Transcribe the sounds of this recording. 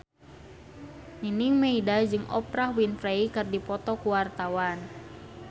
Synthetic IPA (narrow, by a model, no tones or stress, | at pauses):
niniŋmeidad͡ʒɨŋʔɔ̰pɾahwinfɾeikɨrdipɔt̪ɔkuwart̪awan